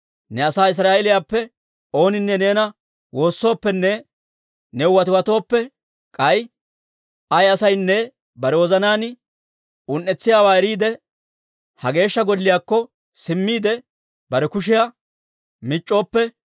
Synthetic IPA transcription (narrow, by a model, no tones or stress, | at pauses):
nɛɐsaːɪs̬ɾaːɛlɪjaːpːɛ | o̞ːnɪnːɛne̞ːnɐ | wo̞ːsːo̞ːpːɛnːɛ | nɛʊwɐt̪ɪwɐt̪o̞ːpːɛ | kʼɐj | ɐjɐsɐjnːɛ | bɐɾɛwɔzɐnaːn | ʊnːɛt͡sːɪjaːwaːɛɾiːd̪ɛ | hɐɡe̞ːʃːɐɡɔlːɪjaːkːɔ | sɪmːiːd̪ɛ | bɐɾɛkʊʃ̬ɪja | mɪt͡ʃʼːo̞ːpːɛ